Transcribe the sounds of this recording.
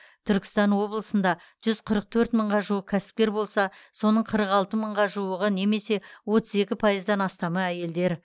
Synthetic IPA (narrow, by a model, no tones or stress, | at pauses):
t̪ʰʏɾkʲɪ̥st̪ɑnwo̞blˠəsənd̪ɑ | ʒ̥ʏz̥qʰəɾəq̚t̪ʰɵɾt̪məɴʁɑʒuwəq̚kʲʰæsɪ̥p̚kʲe̞ɾbo̞lˠsɑso̞nəɴqʰəɾəqɑlˠt̪əməɴʁɑʒuwəʁəne̞me̞se̞wo̞t̪əze̞kʲɪpʰɑjəzd̪ɑnɑst̪ɑməæje̞ld̪e̞ɾ